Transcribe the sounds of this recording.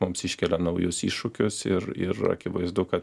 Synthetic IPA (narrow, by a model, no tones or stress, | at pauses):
mʊmsɪʃʲkʲɛlʲɛnɐʊjʊsḭːʃʊkʲʊsɪɾɪ̰ɾɐ̰kʲɪʋɐɪzd̪ʊkɐt̪